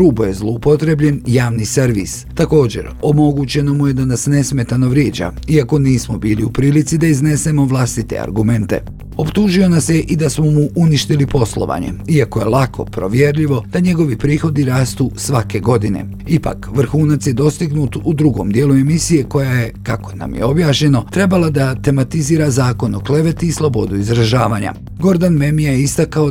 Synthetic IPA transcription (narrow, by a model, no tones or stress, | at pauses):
ɾuːboje̞zlˠoupo̞t̪ɾe̞bʎe̞njaːʋniseɾʋḭst̪ako̞ːd͡ʑe̞̰ɾomo̞ɡut͡ɕe̞no̞muje̞d̪anasne̞sme̞t̪anoʋɾjeːd͡ʑa̰iako̞niːsmo̞biːliupɾiːlit̪sid̪aizne̞se̞mo̞ʋlˠast̪it̪ḛa̰ɾɡume̞nt̪e̞̰ | o̞pt̪uːʒio̞nasjeʔid̪asmo̞muʔuniʃt̪ilipo̞slˠo̰ʋa̰ɲe̞̰iakoje̞lˠakʰo̞̰pɾo̞̰ʋje̞ɾʎiʋo̞d̪̥aɲe̞ɡo̞ʋipɾiːxo̞d̪iɾaːst̪usʋake̞ɡo̞d̪ine̞̰ | ipa̰kʋr̩xuːnat̪sje̞d̪o̞st̪iɡnut̪ud̪ɾuɡo̞md̪jeːlˠue̞misije̞ko̞jaje̞kako̞na̰mjeo̞bjaːʃɲe̞no̞t̪ɾe̞balad̪at̪e̞mat̪iziːɾazaːko̞no̞kle̞ʋe̞t̪iːslˠo̞bo̞d̪uizɾaʒaːʋaɲa̰ | ɡo̞ɾd̪anme̞mijajeist̪akao